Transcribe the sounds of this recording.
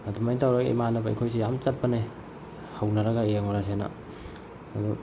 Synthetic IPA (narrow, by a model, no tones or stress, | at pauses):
ɐdumajtawɾaɡḛjmanɐbɐɐ̰jkʰojsejamt͡ʃɐt̚pɐne | hawnɐɾɐɡaeŋoɾas̬ena̰ː | du